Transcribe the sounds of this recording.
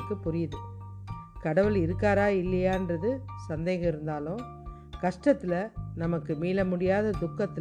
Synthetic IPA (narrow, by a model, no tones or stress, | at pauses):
kːɯpːʊɾɪjɐðɯ | kɐɽɐʋɯlɪɾɯkːaːɾaːɪlːɐjaːɪndrɐðɯsɐnd̪eːɣɐ̃ɪɾɯnd̪aːlʊ̃ | kɐʂʈɐt̪ːɪlɐnɐmɐkːɯmiːlɐmʊɽɪjaːðɐd̪ʊkːɐt̪ːɪ